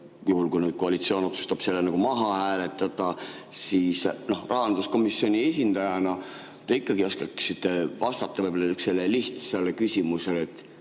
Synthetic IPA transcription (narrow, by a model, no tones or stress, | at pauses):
juhulkujnyːd̪̥̚ko̞ɑlit̪sio̞ːno̞t̪su̥st̪ɑb̥se̞lːenɑɡ̥umɑɦɑhæːle̞t̪ːˑɑd̪̥ɑsiːsno̞hrʔɑɦɑnd̪usko̞misːio̞nʲie̞sʲind̪̥ɑjɑnɑ | t̪eikːˑɑɡio̞skɑksit̪ˑːevɑst̪ɑt̪ːɑvɤjbolɑykselːeliht̪selːekysʲimuse̞let̪ːˑ